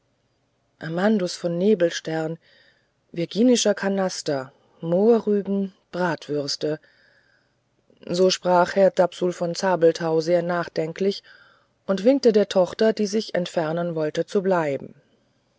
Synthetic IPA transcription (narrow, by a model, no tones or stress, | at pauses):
ʔamandʊsfɔnːeːbl̩ʃtɛɐn | vɪɐɡiːnɪʃɐkʰanastɐ | moːɐʁyːbm̩ | b̥ʁaːtv̥ʏʁstə | zoːʃpʁ̥aːχhɛɐdapsulfɔnt͡saːbl̩tʰaʊzeːɐnaːχd̥ɛŋklɪç | ʔʊntv̥ɪŋk̚tədeːɐtʰɔχtɐdiːzɪçɛ̰ntfɛɐnənvɔltət͡sublaɪbm̩